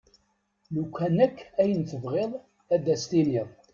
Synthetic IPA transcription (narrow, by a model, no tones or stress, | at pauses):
lukʷːænəkːæjənθəvʁeðˤ | æd̪æst̪inið